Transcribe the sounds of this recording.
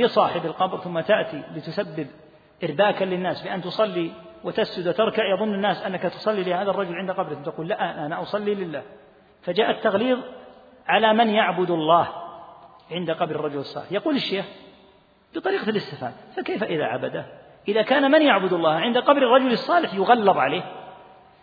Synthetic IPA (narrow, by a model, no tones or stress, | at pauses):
bɪsˤɑːħɪbalqɑbɾθʊmːat̪aʔt̪ilɪt̪ʊsabːɪb | ʔɪɾbaːkalɪnːaːsbɪʔant̪ʊsˤɑlːi | wɪt̪asd͡ʒʊd̪wat̪ɪɾˤkaʕjɑðˤʊnːanːaːsʔanːakat̪ʊ̥sˤɑlːilɪhaːðarˤːɑd͡ʒʊlʕɪnd̪aqɑbɾɪkʊmt̪aquːlːaʔanʔanaʔʊsˤɑlːilɪlːaːh | fad͡ʒaːʔat̪ːaɣliːðˤ | ʕalamanjaʕbʊd̪ʊlˤːɑːh | ʕɪnd̪aqɑbɾɑrˤːɑd͡ʒʊlɑsˤːɑ̰lɪħjɑquːlɪʃːeːx | b̥ɨt̪ˤɑɾiːqɑlɪst̪ɪfa̰ːd̪fakejfaʔɪða̰ʕa̰bad̪a | ʔɪðakaːnmanjaʕbʊd̪ɑlːɑːhʕɪnd̪aqɑbɾɪrˤːɑd͡ʒʊlɨsˤːɑːlɪħjʊɣɑlːɑðˤʕaleːh